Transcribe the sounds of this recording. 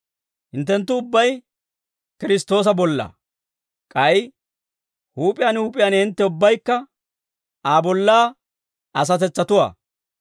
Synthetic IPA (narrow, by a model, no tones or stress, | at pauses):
hɪnt̪ːɛnt̪ːʊːʊbːɐj | kɪɾɪst̪o̞ːs̬ɐbɔlːɐ̰ | kʼɐj | huːpʼɪjaːnhuːpʼɪjanɪnt̪ːɛʊbːɐjkːɐ | aːbɔlːaː | ɐs̬ɐt̪̬ɛt͡sːɐt̪ʊwa̰ː